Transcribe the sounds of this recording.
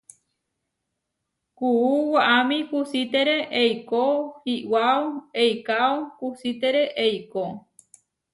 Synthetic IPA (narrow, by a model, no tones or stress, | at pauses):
kuuwaʔamĩkusit̪eɾeʔejkohiwaoejkaokusit̪eɾe̞ʔejko